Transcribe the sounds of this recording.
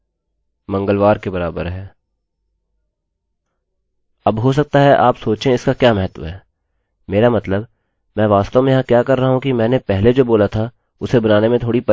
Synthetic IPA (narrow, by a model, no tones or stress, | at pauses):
mɐ̃ŋɡəlʋaːɾkebɐɾaːbə̰ɾɦɛː | ɐbɦos̬ɐk̚t̪aɦɛʔaːpsoːt͡ʃẽɪskakjaːmɛɦət̪ʋəɦɛː | meːɾamɐt̪ləb | mɛ̃ːʋaːst̪əmẽjɐɦãkjaːkɐɾːɐɦaɦũkimɛ̃ːnepɛɦled͡ʒoːboːlat̪ʰa | ʊsebɐnaːnemẽt̪ʰoːɽipɐ